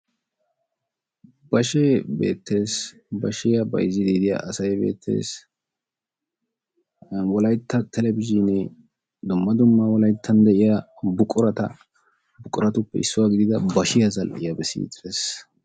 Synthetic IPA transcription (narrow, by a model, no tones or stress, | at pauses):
bɐʃeːbe̞̰ːt̪ːe̞ːs | bɐʃɪjɐbɐ̰jzːɪd̪iːd̪ɪja̰ʔɐsɐjbe̞̰ːt̪ʰːe̞̰ːs | wɔlɐjt̪ːɐt̪ʰɛlɛbɪʒiːnɛ | d̪ʊmːɐd̪ʊmːawɔlɐjt̪ʰːɐnd̪ɛʔɪja | bʊkʼʊɾɐt̪ɐ̰ | bʊkʼʊɾɐt̪ʊpːɛɪ̰sːʊwaːɡɪd̪ɪd̪ɐbɐʃɪjɐzɐlʔɪ̰jɐbɛsḭːt̪eːs